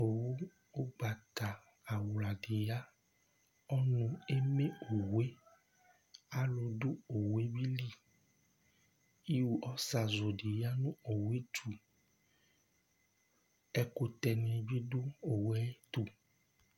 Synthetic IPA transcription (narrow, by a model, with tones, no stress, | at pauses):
o˨wu˦ | o˦ɡ͡ba˨t̪a˨ | a˨wla˨ɖe˨ja˦ | ɔ˦nũ˨e˦me˦o˨we˦ | a˦lo˨ɖu˦o˨wwe˦bi˦li˦ | i˦wu˨ʔɔ˦sa˨zo˨ɖi˨ja˦nũ˦o˨we˦tu˨ | ɛ˨ko˨t̪ɛ˨nẽ˨bi˦ɖu˦o˨we˦t̪u˨